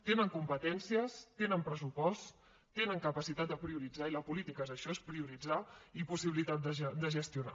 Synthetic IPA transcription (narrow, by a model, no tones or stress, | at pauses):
t̪enəŋkumpət̪ɛnsiəst̪enəmpɾəsupɔst | t̪enəŋkəpəsit̪at̪̚d̪əpɾiuɾid͡zailəpulit̪ikəzəʃɔespɾiuɾid͡zaipusiβilit̪at̪̚d̪əd̪əʒəst̪iuna̰